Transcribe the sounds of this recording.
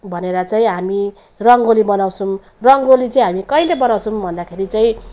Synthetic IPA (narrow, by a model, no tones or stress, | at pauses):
bʱʌneɾʌt͡saĩɦami | rʌŋɡolibʌnaw̃sum | rʌŋɡolit͡sʌĩɦamikʌilebʌnaw̃sʰumbʱʌnd̪akʰeɾit͡saĩ